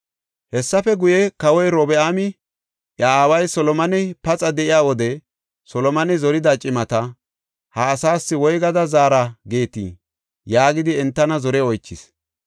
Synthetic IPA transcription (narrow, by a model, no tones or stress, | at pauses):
hɛsːɐfɛɡʊjɛkɐwɔjɾɔbɛaːmɪ | ʔjaːwɐjsɔlɔmɐnɪpɐt͡sʼɐd̪ɛʔɪjaːwɔd̪ɛ | sɔlɔmɐnɪzɔɾɪd̪ɐt͡ʃʼɪmɐt̪ɐ | hɐːsaːsːɪwɔjɡɐd̪ɐzaːɾɐɡe̞ːt̪ḭː | jaːɡɪd̪ɪɛnt̪ːɐnɐzɔɾɛɔjt͡ʃːɪs